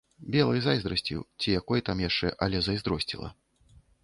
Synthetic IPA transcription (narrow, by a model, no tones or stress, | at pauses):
bʲɛlˠɨjzajzd̪ɾɐsʲt͡sʲḭwt͡sʲijakɔjit̪amjaʂt͡ʂɛʔɐlʲɛzɐjzd̪ɾɔsʲt͡sʲḭlˠɐ̰